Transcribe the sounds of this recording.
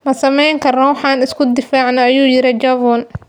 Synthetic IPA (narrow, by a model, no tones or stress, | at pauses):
mɐsɐmɛjŋkʰɐrɐwɑħɑːnɪskʰʊd̪ɪfaːʕnɐːjuːjɪɾɪd͡ʒɐβɔn